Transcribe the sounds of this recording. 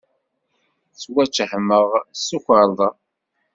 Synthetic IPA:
t͡sːwæt͡ʃːħməʁsuçəɾˤðˤɑ

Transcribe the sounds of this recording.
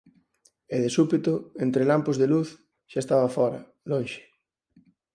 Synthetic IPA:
eðesupit̪ʊent̪ɾelampozðeluθ | ʃaest̪aβɐfɔɾɐ̰ | lõnʃɪ̥

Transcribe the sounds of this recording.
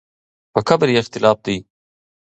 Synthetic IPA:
pəkʰabɾjext̪ɪlɑːf̚d̪ij

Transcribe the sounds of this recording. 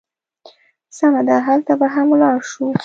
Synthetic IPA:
samad̪aɦalt̪abaɦamlɑɽʃu

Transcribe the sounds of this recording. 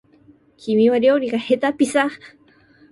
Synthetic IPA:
kʰimiwaɾiowɾikahet̪apisaχ

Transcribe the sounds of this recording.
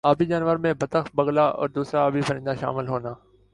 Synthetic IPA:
aːbid͡ʒaːnʋəɾmẽbʱət̪əxbəɡlaːʔɔ̰ːɾd̪uːsɾaaːbipəɾɪ̃nd̪aʃa̰ːmɪlɦoːnaː

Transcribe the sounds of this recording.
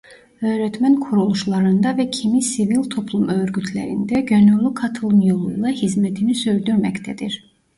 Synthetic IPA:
ø̞ːɾɛt̪mænkʰuɾulˠuʃlˠɑɾɯnd̪ɑvɛcʰimisivilʲt̪ʰo̞pʰlˠumøɾɡyt̪ʰlæ̰ɾḭnd̪æɟønylykʰɑt̪ʰɯlˠnjolˠṵjlˠɑhizmɛt̪ʰinisyɾd̪yɾmæct̪ʰæd̪iɾ

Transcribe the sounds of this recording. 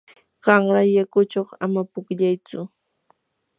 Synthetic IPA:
ɢ̥ɑŋɾajakʊt͡ʃoχa̰mapʊkʎajt͡sʊ

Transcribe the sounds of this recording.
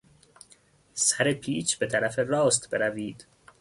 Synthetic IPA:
sæɾepʰiːt͡ʃʰbe̞t̪ʰæɾæferɒːst̪beɾæviːd̪̥

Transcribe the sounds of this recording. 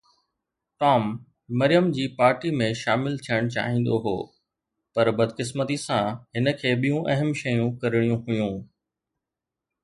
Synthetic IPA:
ʈɔːmː | ɐɾijəmd͡ʑiːpaːɾʈimẽʃaːmɪlt̪ʰijəɽ̃t͡ɕa̰ːɦĩːn̆d̪oɦo̰ː | pɐɾbɐd̪kɪs̬mət̪isãɦɪnə̆kʰeːɓijũʔɐɦəmʃɐjũkɐɾɪɽ̃ijũɦʊjũː

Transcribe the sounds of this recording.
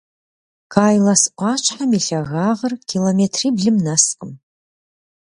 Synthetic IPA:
kʰaːjlɐsʔʷɑːt͡ʃʷʰʼħamiɬɐɣaːʁərkʲʰiloːmetʰriːbɮɨmnɐsqʼəm

